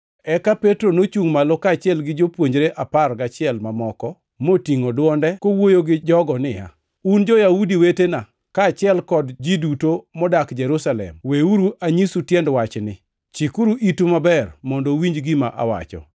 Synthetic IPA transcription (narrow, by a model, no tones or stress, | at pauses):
ɛkapetɾonot͡ʃuŋmalokat͡ʃɪɛlɡɪd͡ʒopwoɲd͡ʒɾeʔaparɡat͡ʃɪɛlmamɔkɔ | motiŋodwɔndɛkowojoɡɪd͡ʒɔɡɔnɪja̰ | und͡ʒɔjaudiwetena | kaːt͡ʃɪɛlkɔdd͡ʒidutomɔdakd͡ʒɛɾusalɛ̰mweuɾuaɲisutjɛndwat͡ʃnɪ | t͡ʃikuɾuʔitumabɛrmɔndɔwiɲd͡ʒɡɪmaʔa̰wa̰t͡ʃɔ̰